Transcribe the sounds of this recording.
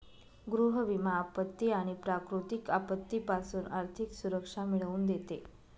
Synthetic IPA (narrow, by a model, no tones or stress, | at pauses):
ɡɾuɦəʋimaːpət̪ːiaɽ̃ipɾakɾut̪ikapət̪ːipasuːnaɾt̪ʰiksuɾəkʂamiɭəuːnd̪et̪e